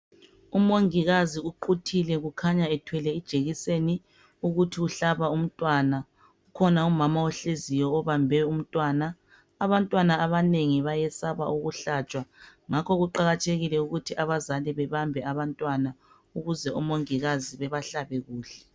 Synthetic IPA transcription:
umoŋiɣaziuǃutʰilɛɣukʰaɲaɛtʰwɛlɛid̥ʒ̥ʱeɣiseni | uɣutʰiuɬaβaum̩tʼwana | ukʰɔnaumamaɔɬezijɔːβambʱɛum̩tʼwaːnaː | βantʼwanaːβaneŋiβajɛsaβaʔuɣuɬat͡ʃʼwaŋakʰɔɣuǃaɣatʰeɣilɛuɣutʰiʔaβazaliβɛβambʱɛaβantʼwana | uɣuzɛumoŋiɣaziβɛβaɬaβɛɣuːɬɛ̥

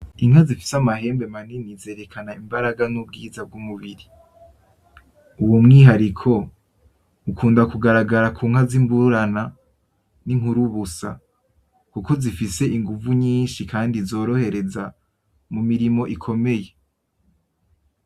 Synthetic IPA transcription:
iŋazifi̥samaɦe̞ːmbe̞maninize̞ːɾe̞kʰanaimbaɾaɡanub̚ɡiːzab̚ɡumuβiɾi | uwumŋiːɦaɾikʰo̞ | ukʰuːndakuɡaɾaɡaɾakʰuːŋ̥hazimbuɾana | niŋhuɾuβusa̰ | kuko̞zifise̞ʔiŋɡuvuɲiːnʃikʰaːndizo̞ːɾo̞he̞ɾe̞za | mumiɾimo̞ʔikʰo̞me̞je̞

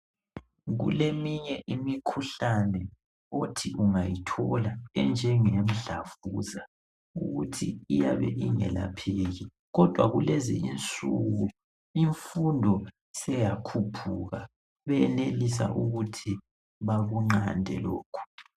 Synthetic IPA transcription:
ɣṵlemiɲɛʔimikʰuɬanɛ | otʰiʔuŋajitʰɔlaɛnd͡ʒʱɛŋem̩ɮafuza | uɣutʰiijaβɛ̰ʔiŋɛ̰la̰pʰeɣi | ɣɔd̥ʱwaɣulezḭint͡sʼuɣu | iɱfundʱɔ | sɛjakʰupʰuɣa | βɛnelisa̰ʔuɣutʰi | βaɣuŋ͡ǁandʱɛ̰loːkʰu̥

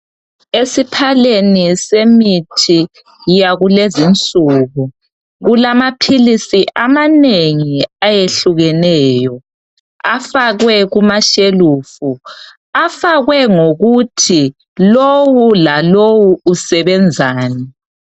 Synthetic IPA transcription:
esipʰalenisemitʰi | jaɣulezint͡sʼuːɣu | ɣulamapʰilisiʔamaneŋiajeɬuɣɛnɛːjɔ | afaɣwɛɣumaʃelufu | afaɣwɛŋoɣutʰi | lowulalowuːsɛβɛnd͡zʱaːnɛ

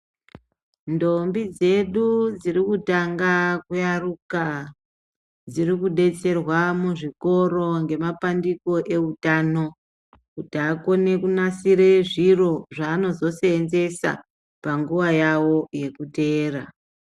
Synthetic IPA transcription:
ndo̞mbid͡ze̞ɗud͡zirikutaŋɡakujaruka | d͡zirikuɗe̞t͡se̞rwamuʐiko̞ɾo̞ŋɡe̞mapandiko̞ʔe̞utaːno̞ | kutako̞ne̞kunasiɾe̞ʐiro̞ʐaːno̞zo̞seːnze̞sa̰ | paŋɡuʋajawo̞je̞kute̞ːra

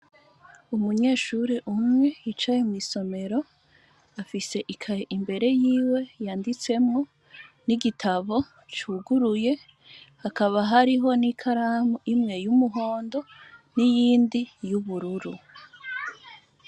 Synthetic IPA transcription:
umuɲe̞ːʃuɾiʔumŋe̞it͡ʃajemŋiːso̞me̞ɾo̞ | afise̞ʔikʰaɾeʔimbe̞ɾe̞jiːwe̞jaːndit͡se̞mŋo̞ | niɡitʰaβo̞ | t͡ʃuːɡuɾuje̞ | hakaβaɦaɾiɦo̞nikʰaɾamuimŋe̞jumuɦo̞ːndo̞nijiːndijuβuɾuɾu

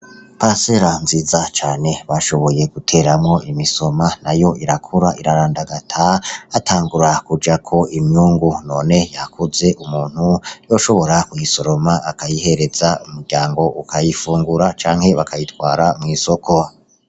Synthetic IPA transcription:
paɾase̞ɾanziːzat͡ʃaːne̞βaʃo̞βo̞je̞ɡ̥utʰe̞ːɾamŋo̞ʔimiso̞manajo̞iɾakʰuɾaʔiɾaɾaːndaɡatʰaataːŋɡuɾakud͡ʒakʰo̞imjuːŋɡuno̞ːne̞jakʰuze̞ʔumuːn̥hujo̞ʃo̞βo̞ɾakujiso̞ɾo̞maakajihe̞ɾe̞zaumuɾɟaːŋɡo̞ʔukʰajifuːŋɡuɾat͡ʃaːŋ̥he̞βakʰajitwaːɾamŋiːso̞kʰo̞

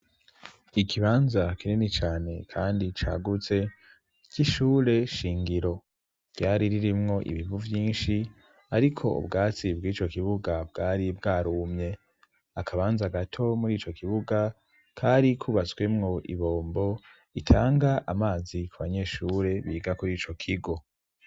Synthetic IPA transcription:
ikʰiβaːnzakininit͡ʃaːne̞kʰaːndit͡ʃa̰ːɡut͡se̞ | ciʃuːɾe̞ʃiːŋɡiɾo̞ | ɟ̥aːɾiɾiɾimŋo̞ʔḭβiβuvjiːnʃi | aɾikʰo̞ṵbɡaːt͡sibɡiːt͡ʃo̞kiβuɡabɡaːɾibɡaːɾuːmɲe̞ | akʰaβaːnzaɡatʰo̞muɾiːt͡ʃo̞kiβuɡa | kʰaɾikʰuβat͡swe̞mŋo̞ʔḭβo̞ːmbo̞ | itʰaːŋɡaʔamaːzikuβa̰ɲe̞ːʃuːɾe̞βiːɡakuɾiːt͡ʃo̞kʰiɡo̞

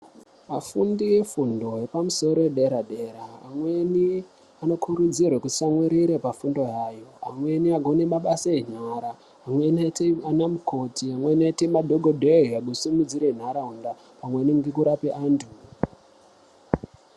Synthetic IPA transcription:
mafundijefundo̞je̞pamuso̞ɾo̞eɗe̞ɾaɗe̞ːɾa̰ːmweni | ano̞kʰuɾud͡zirwakuti̥samweɾiɾe̞pafundo̞jaːjo̞amwe̞niaɡʱonemaɓasaeɲaːɾaː | mwenatanamukʰo̞tiamwenatemadʱoɡʱodʱeiaɡʱosumid͡ziɾen̤aɾaɦunda | pamweniŋɡekuɾapeʔaːntʰu

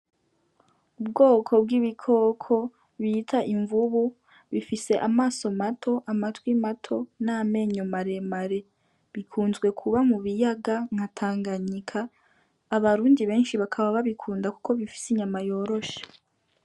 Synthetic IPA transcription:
ub̚ɡo̞ːkʰo̞b̚ɡiβikʰo̞kʰo̞ | βitʰaʔiɱvuβu | βifise̞ʔamaːso̞matʰo̞ʔamatwimatʰo̞name̞ɲo̞maɾe̞maɾe̞ | βikʰuːnzɡwe̞kʰuβamuβijaɡaŋ̥atʰaːŋɡaɲikʰaː | βaɾuːndiβe̞ːnʃiβakʰaβaβaβikʰuːndaku̥ko̞βifi̥siɲamajo̞ːɾo̞ʃḁ

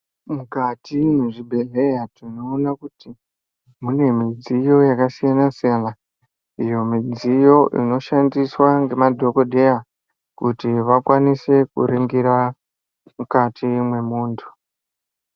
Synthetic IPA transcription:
mukatimeʐibʱeɮejatinoːnakuti | mune̞mid͡zijo̞jakasijanasijana | ijo̞mid͡zijo̞ʔḭno̞ʃandiswaŋɡe̞madʱo̞ko̞dʱe̞ja | kutiʋakwanise̞kṵriŋɡiɾa | mukatʰimwe̞muːntʰu̥

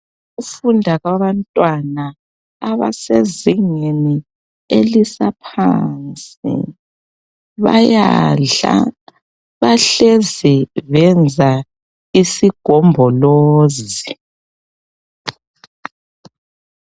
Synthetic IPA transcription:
ɣufundʱaɣwaβantʼwanaː | βa̰seziŋeni | elisapʰant͡sʼḭ | βajaa̰ | βaɬɛzɛβɛnd͡zʱa | isiɡ̥ʱɔmbʱɔloːzi

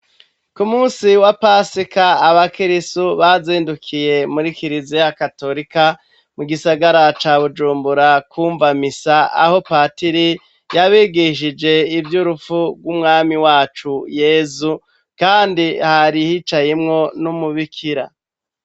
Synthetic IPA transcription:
kumuːsiwapasikaːβakiɾisuβaziːndukʰije̞muɾikiɾizijakato̞ɾika | muɡisaɡaɾat͡ʃaːβud͡ʒuːmbuɾakuːɱvamisaa̰ho̞paːtiɾi | jaβiɡiʃ̬id͡ʒe̞ivjuɾufuɡwumŋaːmiwaːt͡ʃujeːzu | kaːndihaɾihit͡ʃajemŋo̞numuβikʰiɾa̰

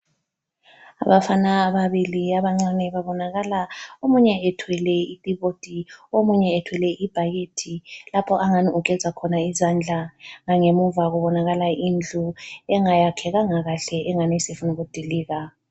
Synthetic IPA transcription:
a̰βafanaːβaβiliaβaŋ͡ǀanɛβaβɔnaɣalaomuɲɛɛtʰwɛlɛitʼiβod̥ʱiomuɲɛːtʰwɛlɛʔib̥ʱajetʰilapʰɔʔaŋaniuk̬ʼɛzʱakʰɔnaizand͡ɮʱaŋaŋemuvaɣuβɔnaɣalaind͡ɮʱuɛŋajakʰɛɣaŋaɣaɬɛʔɛŋanɛsefunuɣud̥ʱiliːɣa

